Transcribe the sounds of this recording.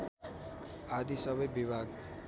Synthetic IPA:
ad̪isʌbʌjbibʱaɡ

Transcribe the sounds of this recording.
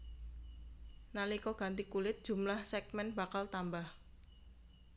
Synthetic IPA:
nalikɔɡ̥a̤nt̪ikulɪt̪̚d̥ʒ̥ṳmlahsɛkmɛnbakalt̪ambah

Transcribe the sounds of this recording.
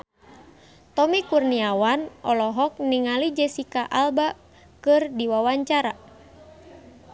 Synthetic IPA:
t̪ɔmikurniawanʔɔlɔɦɔk̚niŋalid͡ʒɛsikaʔalba | kɨrdiwawaɲt͡ʃaɾa

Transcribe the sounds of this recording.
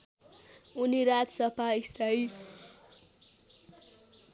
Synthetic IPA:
uniɾad͡zsʌpaist̪aj

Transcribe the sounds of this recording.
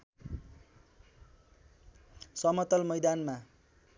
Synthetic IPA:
sʌmʌt̪ʌlmʌjd̪anma

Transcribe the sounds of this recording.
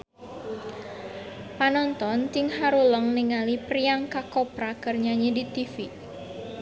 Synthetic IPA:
panɔnt̪ɔnt̪iŋɦaɾuləŋniŋalipriaŋkakɔpɾakərɲaɲidit̪ifi

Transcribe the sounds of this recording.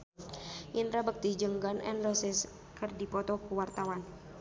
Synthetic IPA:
ʔinɾabək̚t̪id͡ʒəŋɡanɛ̰nrɔsɛs | kərdipɔt̪ɔkuwart̪awan

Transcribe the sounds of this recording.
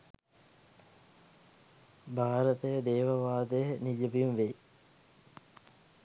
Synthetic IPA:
bʱaːɾət̪əjəd̪eːʋɐʋaːd̪əjənid͡ʒəʋimʋe

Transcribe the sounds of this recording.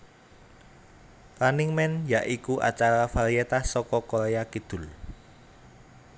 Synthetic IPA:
ɾanɪŋmɛnjaʔikuʔa̰t͡ʃaɾafaɾiet̪ahsɔkɔkɔɾejakid̪̥ʊ̤l

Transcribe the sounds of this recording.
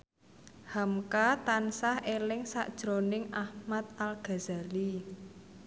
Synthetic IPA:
hamkat̪ansahʔelɪŋsa̰ʔd̥ʒ̥ɾonɪŋʔahmat̪̚alɡ̥a̤za̤li

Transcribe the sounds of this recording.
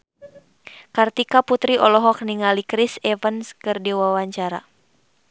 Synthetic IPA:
kart̪ikaput̪ɾiʔɔlɔɦɔk̚niŋalikɾisɛvənskɨrdiwawaɲt͡ʃaɾa̰

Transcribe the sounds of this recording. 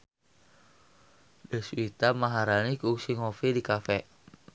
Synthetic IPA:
dəsuit̪amaɦaɾanikuuksiŋɔfidikafɛ

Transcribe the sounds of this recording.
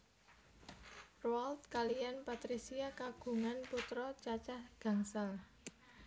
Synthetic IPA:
roalt̪kalijanpat̪ɾisiakaɡ̥ṳŋanput̪ɾɔt͡ʃat͡ʃahɡ̥a̤ŋsal

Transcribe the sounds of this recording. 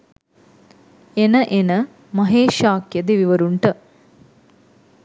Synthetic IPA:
enɐʔenɐ | mɐɦeːʃaːkjɐd̪eʋiʋɐɾuɳʈɨ

